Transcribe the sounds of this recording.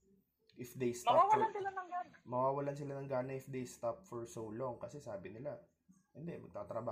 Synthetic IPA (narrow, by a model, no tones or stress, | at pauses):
ʔɪfd̪ejst̪mɐawawɐlansɪlanɐŋɡanɐmɐwaːwɐlansɪlanɐŋɡaːnɐɪfd̪ejst̪ap̚fɔɹsowloŋkɐsɛsaːbɪnɪla | hɪnd̪ɛmɐɡ̚t̪aːt̪ɾɐbaː